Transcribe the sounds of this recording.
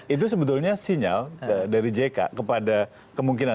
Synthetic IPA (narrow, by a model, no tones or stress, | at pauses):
it̪̬us̬əbət̪̬ulɲasiɲa̰ldaɾid͡ʒeka̰kəpada | kəmuŋkina